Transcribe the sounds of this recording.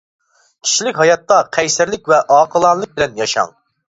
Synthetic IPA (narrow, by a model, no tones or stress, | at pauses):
kʲʰi̥ʃilɪkʲɦɑjɑt̪ːɑqʰɛjsæɾlɪkʲvɛʔɑːqʰəlˠɑnlˠɨk̚bɪlɛnjɑʃɑ̰ŋ